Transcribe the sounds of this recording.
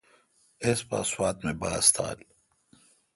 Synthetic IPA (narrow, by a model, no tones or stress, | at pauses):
espa̰ːswaːt̪mebaːst̪ʰa̰ːl